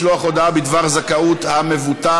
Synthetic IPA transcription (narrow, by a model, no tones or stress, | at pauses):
loaχod̪aabid̪vaʁzakaut̪hamevut̪a